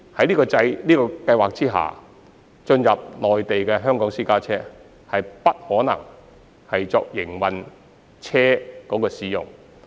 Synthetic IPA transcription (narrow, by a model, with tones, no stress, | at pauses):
hɐ˨˥jliː˥kɔː˧t͡sɐ˧jliː˥kɔː˧kɐ˧jwaː˨k̚t͡siː˥ɦa̰ː˨ | t͡ʃɵ˧njɐ˨p̚lɔː˨jt̪e˨jkɛː˧ɦœː˥ŋkɔː˨˥ŋsiː˥kaː˥t͡sʰɛː˥ | hɐ˨jpɐ˥t̚hɔː˨˥nɐ̰˨˩ŋ | hɐ˨jt͡sɔː˨k̚jɪ˨˩ŋwɐ˨n | t͡sʰɛː˥kɔː˨˧˥kɔː˧siː˨˧jʊ̰˨ŋ